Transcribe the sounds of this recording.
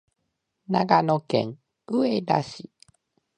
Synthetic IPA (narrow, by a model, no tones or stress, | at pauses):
naɡanokḛŋ | ɯeda̰ɕi